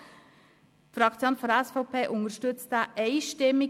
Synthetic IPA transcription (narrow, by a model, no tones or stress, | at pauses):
fɾɑkt͡sjoːnfɔɾɛsfoʊpʰeːʔʊŋəʃtʏtt͡st̪ɛʔeɪʃtɪmɪ